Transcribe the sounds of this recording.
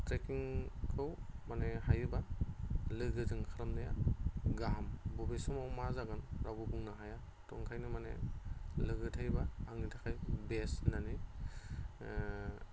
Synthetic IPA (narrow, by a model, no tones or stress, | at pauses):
tɾekiŋkʰɯwmanehajba | lɯɡɯzɯŋkʰaɾamnɯja̰ɡambubesɔmawmazaɡɯnɾabubuŋnaɦaja | tɔŋkʰajnɯmanḛlɯɡɯtʰajbaːŋnitʰakʰajbesinani